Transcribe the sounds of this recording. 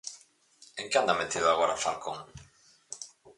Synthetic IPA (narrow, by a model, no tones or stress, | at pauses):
ẽŋkeand̪amet̪iðoaɣoɾafalkoŋ